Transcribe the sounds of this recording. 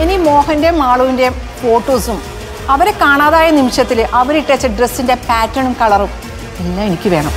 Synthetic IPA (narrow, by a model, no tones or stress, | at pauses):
enimo̞ːhɐnde̞maːɭuʋinde̞ | fo̞ːʈːoːsum | ɐʋɐɾekaːɳaːðaːjɐnimʂjɐt̪ːilʔɐʋɐɾiʈːet͡ɕːɐɖresːinde̞paːtːɐɳumkɐɭɐrum | elːaːmenikʲːɨʋe̞ːɳɐm